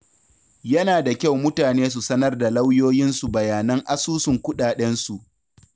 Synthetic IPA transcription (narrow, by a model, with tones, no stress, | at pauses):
jɐ˦naː˨da˨kʲa˦wmʊ˦taː˨neː˦s̬u˨sɐ˦nɐ˦rda˨la˦wjoː˦jɪ˦nsu˨bɐ˨jaː˨nɐ˦ŋʔa˦suː˦sʊ˨ŋkʷʊ˦ɗaː˨ɗɛ˦nsu˨ʔ